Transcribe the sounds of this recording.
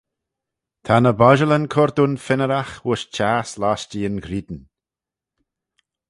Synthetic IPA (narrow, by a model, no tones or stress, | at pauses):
t̪ʰanəbɔʒələnkʰɔɾd̪unfɪnəɾaxwʊʃt͡ʃaːslast͡ʃiːənɡɾiːd̪n̩